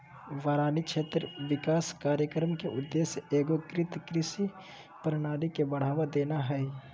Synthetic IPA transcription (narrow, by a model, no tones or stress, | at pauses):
ʋaːɾaːnikʃʰeːt̪ɾʋɪkaːskaːɾjəkɾmkeʔʊd̪ːeːsjeːɡokɾɪt̪kɾɪʃi | pəɾñaːlikebɐɽ̤aːʋad̪eːnaɦɛɛ